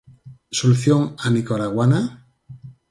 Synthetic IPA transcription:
soluθjoŋanikoɾaɣwana

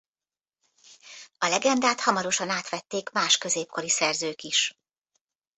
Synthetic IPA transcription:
ɒlɛɡɛnd̪aːt̪hɒmɒɾo̞ʃɒnaːt̪ʋɛt̪ːeːkmaːʃkø̞zeːp̚ko̞ɾisɛrzøːkiʃ

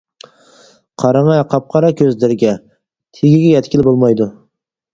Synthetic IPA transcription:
qʰɑɾɑŋɑqʰɑp̚qʰɑɾɑkʲʰøzlɪɾɪɡʲɛ | t̪ʰeɡʲɪɡʲɛjɛt̪ʲkʲɪlbolˠmɑjd̪ʊ

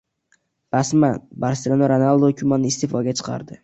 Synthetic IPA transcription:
b̥asmanbaɾselʲonoɾanalˠd̪okʲʰʊmanɪst̪ʰefɒɡʲat͡ʃʰɨ̥qʰɑ̰ɾd̪ɪ

